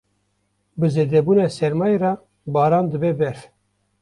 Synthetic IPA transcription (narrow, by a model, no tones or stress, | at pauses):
bɨzeːd̪ɛbuːnɑːsɛɾmɑːjrɑː | bɑːɾɑːnd̪ɨbɛbɛɾ